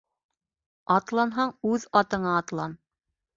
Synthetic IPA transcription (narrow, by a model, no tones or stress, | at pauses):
ɑt̪lˠɑnɦɑɴʉðɑt̪ɤ̆ɴɑːt̪lˠɑn